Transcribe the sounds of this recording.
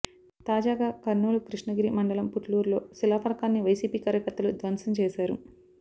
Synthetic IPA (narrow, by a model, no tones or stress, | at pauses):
t̪aːd͡ʒaːɡaːkɐɾnuːlukɾiʂɳɐɡiɾimɐɳɖɐlɐmpuʈluːɾlo̞ːsilaːpʰɐɾkaːnːiʋɐjsiːpiːkaːɾjɐkɐɾt̪ːɐlud̪ʋɐnsɐmt͡ʃɛːsaːɾu